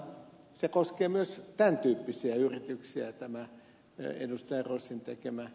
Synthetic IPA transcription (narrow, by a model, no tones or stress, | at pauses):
sekoskeːmyøst̪ænt̪yːpːisiæyrit̪yksiæt̪æmæ | ḛdust̪ɑjɑroisːint̪ekemæ